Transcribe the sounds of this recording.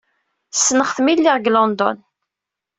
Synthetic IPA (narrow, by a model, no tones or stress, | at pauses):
sːnəχθmilːiʁɡlɑnd̪ɔ̰n